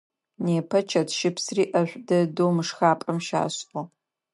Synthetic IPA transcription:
neːpʰɐt͡ʃʰɐtʃɪpsriːʔɐɕʷdɐdoːmɨʂxaːpʼɐmʃa̰ːɕʔo

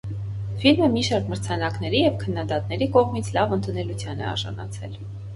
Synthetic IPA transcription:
filməmiʃɑɾkməɾt͡sʰɑnɑkn̪ɛɾijɛvkʰənːɑd̪ɑt̪nɛɾikɔʁmit͡sʰlɑvənt̪unɛlut͡sʰjɑnɛ̰ɑ̰ɾʒɑ̰nɑ̰t͡sʰɛ̰l

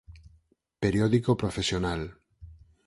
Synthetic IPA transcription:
peɾjoðikopɾofesjonal

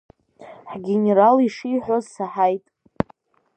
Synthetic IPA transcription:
ħɡʲe̞neɾaliʂijħʷᶣozsaħajtʼ

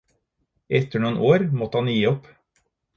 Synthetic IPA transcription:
ɛt̪əɳuːnʔoːɾmɔt̪hɑnjiːɔp

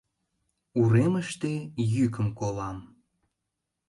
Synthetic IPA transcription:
uɾeməʃt̪ejykəmkolɑm

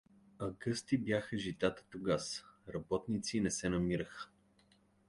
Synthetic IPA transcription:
ɐɡɤst̪ibjaxəʒit̪at̪ə̥t̪ʊɡasɾɐbɔt̪nit̪sinɛsɛnɐmiɾəxə̥

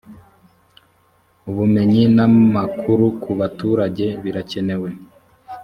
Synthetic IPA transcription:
uβume̞ɲinamakʰuɾukʰuβatuːɾaɟe̞βiɾace̞ne̞we̞

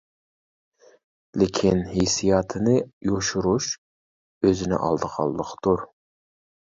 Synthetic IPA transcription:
lɪkʲʰinhesijɑt̪ʰɨnɨjoʃuɾuʃ | øzɪnɪ̰ʔɑ̰lˠd̪əqʰɑ̰lˠːdˠəqʰt̪uɾ

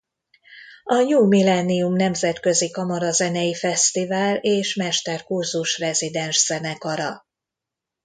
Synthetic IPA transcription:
ɒɲuːmilɛnijumnɛmzɛt̪kø̞zikɒmɒɾɒzɛnɛjifɛst̪ivaːleːʃmɛʃt̪ɛrkurzuʃrɛzid̪ɛnʃz̥ɛnɛkɒɾɒ

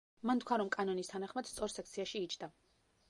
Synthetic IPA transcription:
mant̪ʰkʰwaɾɔmkʼanɔnist̪ʰanaχmad̪̥st̪sʼɔɾsɛk̚ʰt̪sʰiaʃiːt͡ʃʰd̪̥a

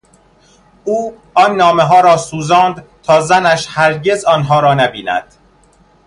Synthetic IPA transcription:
ʔuː | ɒnːɒːmeɦɒːɾɒːsuːzɒːnd̪t̪ʰɒːzænæʃhæɾɟe̞zɒːnɦɒːɾɒːnæbiːnæ̰d̪̥

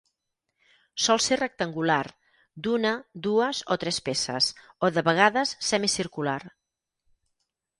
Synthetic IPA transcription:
sɔlˠserək̚t̪əŋɡular | d̪unəd̪uəzot̪ɾɛspesə̰s | oðəβəɣ̞aðəsːɛmisiɾkular

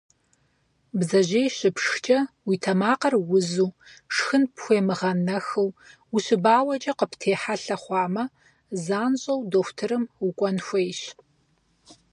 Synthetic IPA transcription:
bzɐʑeːjɕɪpʂxt͡ʃʼɐwitʰɐmaːqɐrwʊzuːʂxɨnpxʷeːmɨʁɐnɐxɨw | uɕɪbaːwɐt͡ʃʼɐqəpʰtʰeːħaɬɐχʷɑːmɐ | zaːnɕʼɐwdoːxʷtʰɨɾɨmukʷʼɔnxʷejɕ

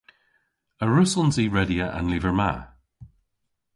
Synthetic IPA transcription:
əɹʉsɔnziːɹɛdiəʔã̰nliːvəɹma̰

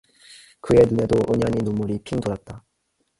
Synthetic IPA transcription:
kɯe̞nune̞doʔɯɲaɲinomuɾipʰindoɾat̚t͈a

